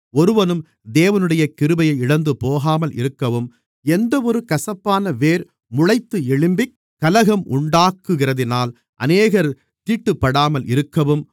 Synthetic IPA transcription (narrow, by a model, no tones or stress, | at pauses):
ɔɾɯʋɐnɯm | d̪eːʋɐnɯɽɐjɐkːɪɾɯbɐjɐɪɪɽɐnd̪ɯpoːɣaːmɐlɪ̰ɾɯkːɐʋɯm | ɛnd̪ɐɔɾɯkɐsɐpːaːnɐʋeːɾ | mʊɻɐɪt̪ːɯɛɭɪmbɪ | kːɐlɐɣɐmʔʊɳɖaːkːɯɣɪrɐðɪnaːl | ʔɐ̰neːɣɐɾ | t̪iːʈːɯpːɐɽaːmɐlɪɾɯkːɐʋɯm